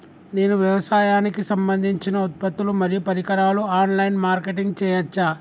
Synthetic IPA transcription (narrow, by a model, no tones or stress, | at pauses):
ne̞ːnuʋjɐʋɐsaːjaːnikisɐmbɐnd̪ʱiɲt͡ʃinɐut̪̚pɐt̪ːulumɐɾijupɐɾikɐɾaːluaːnlɐjnmaːɾkeʈiŋɡt͡ʃɛːjɐt͡ʃːaː